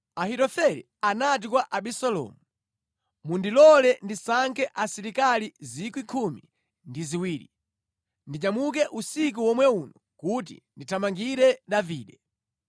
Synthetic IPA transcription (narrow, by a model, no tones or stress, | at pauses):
ahitɔfɛɾi | anat̬ikwaʔaɓisalɔ̰ːmu | mundilɔlɛndisaŋkʰɛʔasiɾikalizikwikʰumḭ | ndiziwiːɾi | ndit͡ʃamuk̬ɛʔusik̬uwɔmwɛunɔ | kut̬ḭnditʰamaŋɡiɾɛɗaviːɗɛ